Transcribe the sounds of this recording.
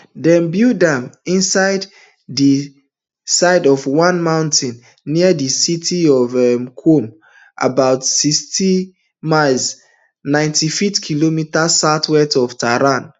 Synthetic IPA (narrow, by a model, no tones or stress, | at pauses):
dɛ̃nbjudãmĩnsaɪd | di | saɪdɔvwãnmãʊ̃ntʰĩnː | iədisitʰiɔvɛmkʰom | ʔa̰baʊtsistʰi | maɪlz | nãɪ̃ntʰifitkʰilomitasatʰwɛtɔv̥tʰaɹãn